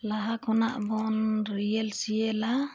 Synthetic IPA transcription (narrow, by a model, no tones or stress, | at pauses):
laɦakʰɔnaʔbɔnɾijɛlsijɛla